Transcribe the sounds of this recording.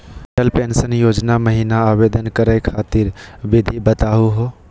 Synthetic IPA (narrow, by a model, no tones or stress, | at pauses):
elpensənjod͡ʒnaməɦinaːβed̪ənkəɾəɪkʰat̪iɾbid̪ʱibət̪aɦuɦo